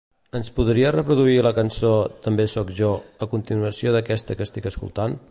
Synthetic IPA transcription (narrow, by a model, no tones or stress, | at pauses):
ənspuðɾiərəpɾuðuiləkənsot̪əmbesɔkʒɔəkunt̪inuəsioðəkɛst̪əkəst̪ikəskṵlˠt̪an